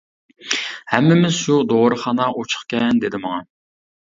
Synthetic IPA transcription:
hɛmːɪmɪz̥ʃud̪oʁɾəχɑnɑʔot͡ʃʰə̥χkʲɛnd̪ed̪ɪmɑŋɑ

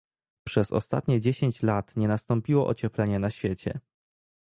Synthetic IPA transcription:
pʂɛzɔ̰st̪a̰t̪ɲɛd͡ʑeɕeɲt͡ɕlat̪ɲɛnast̪ɔmpʲiwɔʔɔt͡ɕɛplɛɲɛnaɕfʲjet͡ɕɛ̰

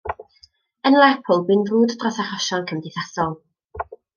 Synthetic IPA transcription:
ənlˠɛpʰəlˠbɪnvruːdədrɔsaχɔʃɔnkʰəmdɪθasɔlˠ

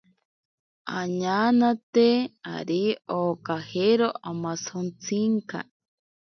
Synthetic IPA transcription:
aɲaːnat̪ea̰ɾioːkaheɾoʔamasont͡sʰiŋka̰

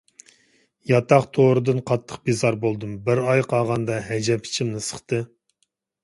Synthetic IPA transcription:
jɑt̪ʰɑχt̪ʰoɾɨd̪ɨnqʰɑt̪ʰːə̥χqbizɑɾbolˠd̪ɨmbɪɾɑjqʰɑʁɑnd̪ɑɦɛd͡ʒɛpʰi̥t͡ʃʰimnɨsə̥χt̪ɨ

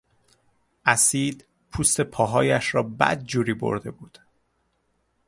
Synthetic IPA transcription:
ʔæsiːd̪ | pʰuːst̪e̞pʰɒːɦɒːjæʃɾɒːbæ̰d̪̚d͡ʒuːɾiːbo̰ɾd̪e̞buːd̪̥

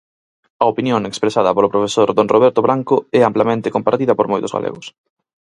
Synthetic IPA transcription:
ɐopinjoŋekspɾesaðɐpolopɾofesoɾðoŋroβɛɾt̪oβɾʔaŋkoɛamplamẽnt̪ekompaɾt̪iðɐpoɾmojt̪ʊzɣa̰lʔḛɣʊs

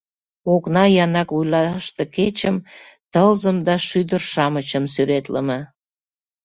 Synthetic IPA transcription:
oknɑjɑnɑkβujlɑʃt̪eket͡ɕəm | t̪əlzəmd̪ɑʃyd̪ərʃɑmət͡ɕəmsyɾet̪ləmə̆

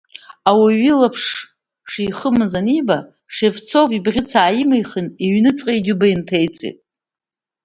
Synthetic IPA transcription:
awaɥilapʰʂ | ʂijχəmɨzaniba | ʂe̞vt͡sʰo̞vibʁʲɪt͡sʰaːjɪmajχəneɥnɨt͡sʼqʼajd͡ʒɪbaintʰejt͡sʼḛtʼ

